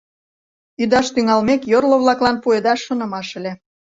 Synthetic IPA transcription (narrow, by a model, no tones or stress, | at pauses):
yd̪ɑʃt̪yŋɑlmekjorlŏβlɑklɑnpued̪ɑʃːŏnə̆mɑʃə̆lʲe